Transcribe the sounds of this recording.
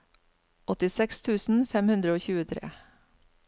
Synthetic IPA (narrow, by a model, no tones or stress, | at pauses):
ʔɔt̪ɪsɛkst̪ʰʉːsn̩fɛmhʉnd̪ɾəoːçʉːət̪ʰɾḛː